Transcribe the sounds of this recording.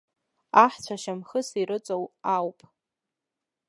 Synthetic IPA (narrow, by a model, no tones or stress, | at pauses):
aħt͡ɕʷʰaʃamχəsiɾɨt͡sʷʼowawpʼ